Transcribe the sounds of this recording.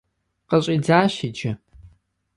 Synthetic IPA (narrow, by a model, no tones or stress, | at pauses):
qəɕʼiːd͡zaːɕid͡ʒɐ